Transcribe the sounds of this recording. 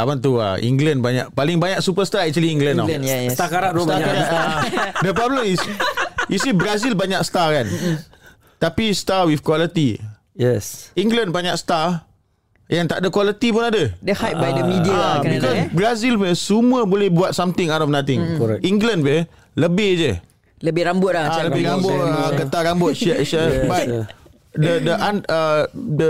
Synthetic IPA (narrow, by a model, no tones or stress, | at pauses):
amant̪̬ua̰ḭŋɡlənbaɲaʔ̚palɪŋbaɲaksupəst̪aɛk̚t͡ʃwaliiŋɡlanɔst̪akaɾaʔ̪usaakaɾaadəpɾɔbləmisisibɾazilbaɲak̚st̪akan | t̪apist̪awifkwalət̪i | jɛsiŋɡlənbaɲak̚st̪a | jaŋt̪aʔdakwalət̪ipʊnadədəhajt̚bajdəmĩdiaabikɔsbɾazilpsumuəbolɛhbuat̪̚samt̪ɪ̃ŋatɔfnat̪ɪŋkɛiŋɡlənpə | ləbɪhd͡ʒə | ləbɪhɾambʊt̚aaləbɪɾambʊt̪əɡət̪aɾambʊt̪̚ʃɛʔʃɛbat̪̚ | dədəʔanədə